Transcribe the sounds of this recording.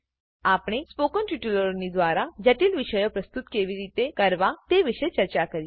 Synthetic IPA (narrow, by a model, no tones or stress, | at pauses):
aːpɽ̃espoːkənʈiʈuləɾnid̪ʋaːɾad͡ʒəʈilʋɪʃəjopɾəst̪ut̪keːʋiɾiːt̪ekəɾʋat̪eʋɪʃet͡ʃəɾt͡ʃakəɾi